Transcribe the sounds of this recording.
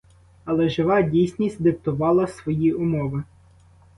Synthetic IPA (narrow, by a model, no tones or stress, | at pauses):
ɐlˠɛʒɪʋɑdʲijsʲnʲisʲt̚ʲd̪ɪp̚t̪ʊʋɑlˠɐsʋɔjiʊmɔʋɪ